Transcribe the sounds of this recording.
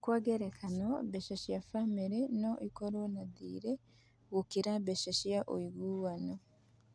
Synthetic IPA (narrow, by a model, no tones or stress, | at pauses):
kwaːɡeɾekʰanoβeʃeʃijafamiɾenoʔikoɾonadḭːɾe | ɣukiɾaβeʃeʃijaʔo̰iɡuwano